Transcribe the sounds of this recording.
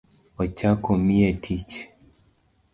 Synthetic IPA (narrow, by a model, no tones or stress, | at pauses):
ɔt͡ʃakɔmiɛtʰit͡ʃ